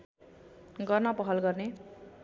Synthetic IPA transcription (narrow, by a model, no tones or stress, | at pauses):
ɡʌrnʌpʌɦʌlɡʌrne